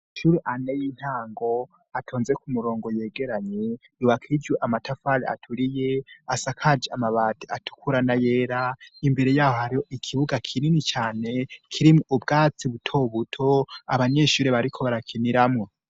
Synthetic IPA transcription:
ʃuɾeʔanejin̥haːŋɡo̞ | atʰo̞ːnze̞kumuɾo̞ːŋɡo̞je̞ːɡe̞ɾaɲe̞ | uwakʰid͡ʒwuʔamatʰafaɾia̰tʰuɾijeasakʰad͡ʒeamaβaːtiatʰu̥kuɾanajeːɾaimbe̞ɾe̞jaːho̞haɾiho̞ʔikʰiβuɡakʰininit͡ʃaːne̞kʰiɾimoubɡaːt͡siβutʰo̞βutʰo̞aβaɲe̞ʃuɾeβaɾikʰo̞βaɾakʰiniɾamŋo

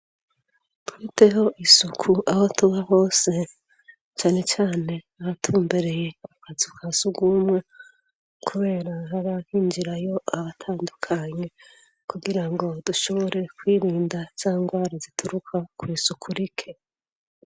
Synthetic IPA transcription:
tufite̞ɦo̞ʔisukʰuʔaho̞tuβaho̞ːse̞ | t͡ʃaːne̞t͡ʃaːne̞ | aβatʰuːmbe̞ɾe̞je̞akazukʰasuɡumwe̞ | kʰuβe̞ːɾaɦaɾahiɲd͡ʒiɾajo̞aβatʰaːndukʰaɲe̞ | kuɡiɾaŋɡo̞d̥uʃo̞βo̞ɾe̞kwiːɾiːndaz̥aːŋɡwaːɾazitʰuɾukʰakwiːsukʰuɾikʰe̞

